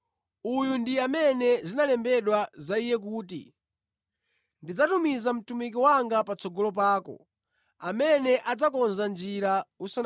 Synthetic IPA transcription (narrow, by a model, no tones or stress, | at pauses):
ujundiamɛnɛzinalɛmbɛɗwazaijɛk̬uːtḭ | ndid͡zatumizam̩tumikiwaŋɡapat͡sɔɡɔlɔp̬aːkɔ̰ | amɛnɛʔad͡zakɔnzand͡ʒiɾausa